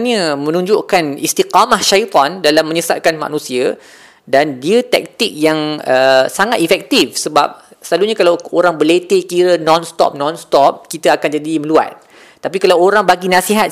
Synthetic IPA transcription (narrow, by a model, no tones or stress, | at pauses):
nə̃mə̃nũɲd͡ʒoʔkanist̪iqamahʃait̪ˤɔndalamːə̃ɲəsa̰t̚kanma̰nũsia | dandiət̪ɛ̰k̚t̪ik̚jaŋəsaŋat̪ifɛk̚t̪ifsəbap̚səlaluɲakalawoɾaŋbəlet̪ekiɾənɔnst̪ɔ̰p̚nɔ̃nst̪ɔp̚kit̪aakand͡ʒadimə̃lua̰t̪̚ː | apikalawoɾaŋbaɡinãsiɦat̪